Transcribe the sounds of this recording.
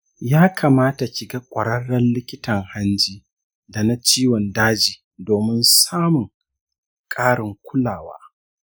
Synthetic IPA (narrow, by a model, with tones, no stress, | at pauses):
jaː˦kʰaː˨maː˦ta˨kʲɪ˨ɡa˦kʷʼɐ˨ɽɐ˦ɽːɐ˦nlɪ˦kʲɪ˦tɐ˨ŋha˦nd͡ʒiː˦ | da˨na˦t͡ʃiː˦wɔ˨ndaː˦d͡ʒiː˨ | doː˨mɪ˦nsaː˦mʊ˨ŋ | kʼaː˦ɽɪ˨ŋkʷʰʊ˦laː˨wa̰ː˦